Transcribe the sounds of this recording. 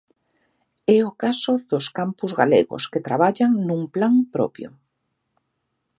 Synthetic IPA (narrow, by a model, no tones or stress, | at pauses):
ɛokasoðoskampuzɣalḛɣo̰sket̪ɾaβ̞aʎaŋnũŋplaŋpɾɔ̰pjo̰